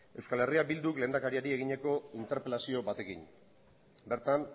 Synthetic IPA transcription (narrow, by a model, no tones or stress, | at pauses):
e̞wskale̞riabild̪ukle̞ːnd̪akaɾiaɾie̞ɣiɲe̞ko̞int̪e̞ɾpelasio̞bat̪e̞kḭɲ | be̞ɾt̪an